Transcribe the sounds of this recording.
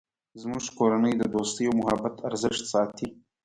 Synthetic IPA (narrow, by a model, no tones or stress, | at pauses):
zmuʒkoɾanəjd̪əd̪ost̪əjomʊɦabat̪ʰaɾzɪʃt̪sɑt̪ʰi